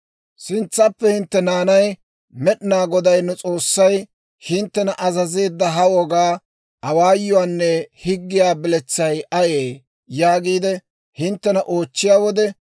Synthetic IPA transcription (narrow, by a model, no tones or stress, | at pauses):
sɪnt͡sːɐpːɛhɪnt̪ːɛnaːnɐj | mɛɗnaːɡɔd̪ɐjnːɛt͡sʼo̞ːsːɐj | hɪnt̪ːɛnɐʔɐzɐze̞ːd̪ːɐɦɐwɔɡaː | ʔɐwaːjːɔwaːnːɛhɪɡːɪjaːbɪlɛt͡sːɐjʔɐjeː | jaːɡiːd̪ɛ | hɪnt̪ːɛnɐʔo̞ːt͡ʃːɪjaːwɔd̪ɛ